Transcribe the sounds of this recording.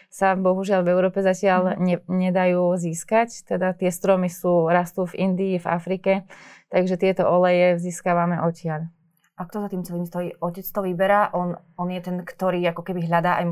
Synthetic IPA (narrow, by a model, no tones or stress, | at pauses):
sabɔɦuʒɪaʎvɛʊɾɔːpɛzacɪaʎɲɛɲɛd̪ajuːziːskact̪ɛd̪at̪ɪɛst̪ɾɔmisuːɾast̪uːvind̪iːva̰fɾiːkɛt̪aɡʒɛt̪ɪɛt̪ɔʔɔlɛjɛziːskaːʋamɛʔɔcɪaʎ | ʔak̚t̪ɔzat̪iːmt͡sɛliːmst̪ɔjiːʔɔcɛt͡st̪ɔʋibɛɾaːʔɔn | ɔnjɛt̪ɛnkt̪ɔɾiːakɔkɛbiɦʎad̪aːʔaj